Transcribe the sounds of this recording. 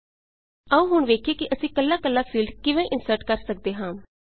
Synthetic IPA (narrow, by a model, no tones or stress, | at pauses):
əũːɦʊɳʋeːkʰeːkɪʔəsĩːkəlːaːkəlːaːpʰiːlɖkɪʋẽːʔɪnsəɾʈkəɾsək̚d̪eːɦãː